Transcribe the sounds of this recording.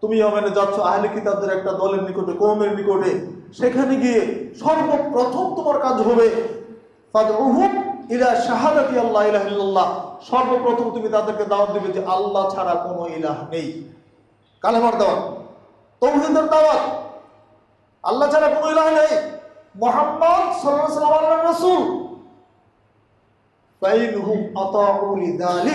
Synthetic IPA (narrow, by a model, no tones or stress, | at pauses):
t̪umiɔmened͡ʑat̪ːɕʰoaɦlikit̪ad̪eɾɛk̚ʈad̪ɔleɾnikoʈekomeɾnikoʈeʃekʰaneɡijeʃɔɾbopɾot̪ʰomt̪omaɾkad͡ʑɦɔbe | fɐd̪uɦumilaʃaɦad̪at̪ialːailaɦilːalːaʃɔɾbopɾot̪ʰomt̪umit̪ad̪eɾked̪aoand̪ibed͡ʑeʔalːat͡ɕʰaɽakonoilaɦnej | kalebaɾd̪awan | t̪owɦid̪eɾd̪awat | ɐ̰lːat͡ɕʰaɾakonoilaɦnejmʊɦabːad̪sɔlaɾsɐlamanarːɐsuːl | fɐinɦumɐt̪ˤɑːʕuliðaːlik̚